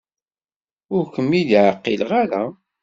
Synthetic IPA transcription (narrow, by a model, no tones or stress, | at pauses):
ʊɾkəmːid̪ʕəqːilʁaɾa